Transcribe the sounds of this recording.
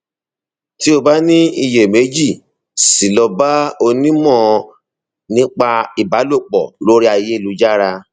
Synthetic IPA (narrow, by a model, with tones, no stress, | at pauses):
ti˦o˧ba˦nĩ˦i˧je˨me˨˦d͡ʒi˦˨ | si˨lɔ˧ba˦o˧nĩ˦mɔ̃˦˨ | nĩ˦k͡pa˧i˨ba˨˦lo˦˨k͡pɔ̰˨lo˦ɾi˦a˧je˦i˦˨lu˨˧˦d͡ʒa˦ɾa˧